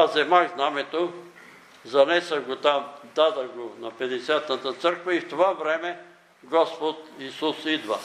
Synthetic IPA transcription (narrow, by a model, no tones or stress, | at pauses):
ɐzɛmaɡznamɛt̪o | zɐnɛsəɡot̪amd̪ad̪ɐɡonɐpɛd̪ɛsʲjat̪nɐt̪ət̪səɾkvəift̪ovavɾɛmɛ | ɡɔspot̪isusid̪və